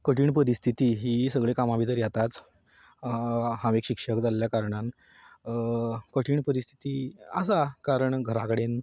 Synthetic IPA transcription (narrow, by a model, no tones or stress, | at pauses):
kəʈʰiːɳpəɾist̪ʰit̪iːɦiːsəɡɭekamabʱit̪əɾjat̪at͡s | hãʋekɕikʂəkd͡zalljakaɾɳan | kəʈʰiːɳpəɾist̪ʰi̥t̪iːəsakaɾəɳɡʱəɾakəɽen